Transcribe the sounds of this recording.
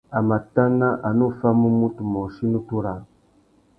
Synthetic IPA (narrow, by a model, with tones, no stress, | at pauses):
a˨ma˨ta˦na˦ʔa˨nu˦fa˦mu˦mu˦tu˨mo˨ʃi˦nu˦tu˦ɾa˨